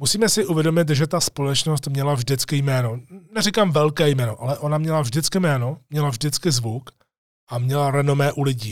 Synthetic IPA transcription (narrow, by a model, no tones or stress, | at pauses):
musiːmɛsɪʔuvjɛdomɪt̪̬ʒɛt̪aspo̞lɛt͡ʃno̞st̪mɲɛlavʒdɪt͡skɪjmɛːno̞nɛrikamvɛlkɛːjmɛːno̞ʔalɛʔo̞namɲɛlavʒdɪt͡skɪmɛːno̞mɲɛlavʒdɪt͡skɪzvuk | ʔamɲɛlaɾɛno̞mɛːʔulɪɟiː